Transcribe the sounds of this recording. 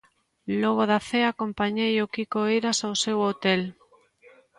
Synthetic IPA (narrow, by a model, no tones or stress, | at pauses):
lɔɣ̞oðaθeakompaɲejokikoeɾasawsewot̪el